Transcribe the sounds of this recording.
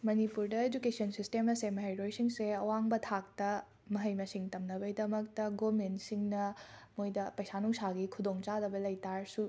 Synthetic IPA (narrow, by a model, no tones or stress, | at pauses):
mɐnipuɾdɐed͡ʒukesʰiɐnsistemɐsemɐɦɐjɾojsiŋseɐwaŋbɐtʰak̚tɐ | mɐɦɐjmɐsiŋtɐmnɐbɐidɐmɐk̚tɐɡomensiŋnɐmojdɐpɐjsanuŋsaɡikʰudoŋt͡ʃadɐbɐlɐjtaɾsu